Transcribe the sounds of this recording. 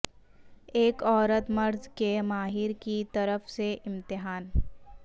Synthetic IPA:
eːkɔːɾət̪mɐɾzkemaːɦɪɾkit̪ɐɾəfseʔɪ̃mt̪ɪɦaːn

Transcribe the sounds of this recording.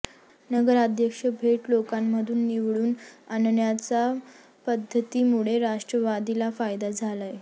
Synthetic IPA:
nəɡəɾad̪ʱjəkʂəbʱeʈlokamːəd̪ʱuːnːiʋɭuːnannjat͡sa | pəd̪ʱːət̪iːmuɭeɾaʂʈɾəʋad̪ilafajd̪ad͡zʱalaj

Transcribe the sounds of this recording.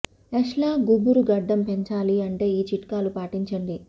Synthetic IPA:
ɛʂlaːɡubuɾuɡɐɖːɐmpeɲt͡ʃaːliɐɳʈe̞ːiːt͡ʃiʈkaːlupaːʈiɲt͡ʃɐɳɖi

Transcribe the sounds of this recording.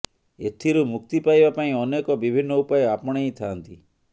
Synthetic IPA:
ḛt̪ʰiɾumukt̪ipajbapaĩɔnekɔbibʱinːɔupajɔapɔɽ̃ejt̪ʰaːnt̪i

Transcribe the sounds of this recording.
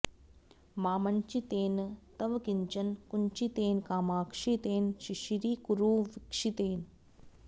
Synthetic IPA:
maːmɐnt͡ʃit̪eːnt̪ɐʋkiɲt͡ʃɐnkunt͡ʃit̪eːnkaːmaːkʂit̪eːnʃiʃiɾiːkuɾuːʋɪkʂit̪eːn

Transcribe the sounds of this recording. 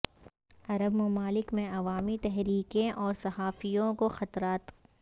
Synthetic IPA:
ɐɾəbmɐmaːlɪkmẽɐʋaːmit̪ɛɦɾiːkẽʔɔːɾsɐɦaːfijõkoxɐt̪ɾaːt̪

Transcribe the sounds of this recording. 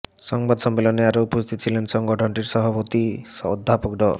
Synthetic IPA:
sɔŋbad̪sɔmːelɔneaɾoupost̪ʰit̪t͡ʃʰilensɔŋɡɔʈʰɔɳʈiɾsɔɦɔpot̪iɔd̪ʱːapok̚ɖɔ

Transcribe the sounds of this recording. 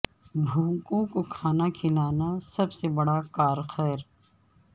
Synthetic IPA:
bʱũːkõkokʰaːnakʰɪlaːnasɐbsebɐɽakaːɾxəɾ

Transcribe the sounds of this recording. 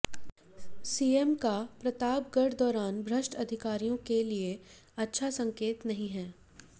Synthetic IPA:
siːemkapɾɐt̪aːp̚ɡɐɽd̪ɔːɾaːnbʱɾɐʃʈɐd̪ʱɪkaːɾijõkelie | ɐtːʃʰasɐ̃ŋkeːt̪nɐɦĩɦɛː

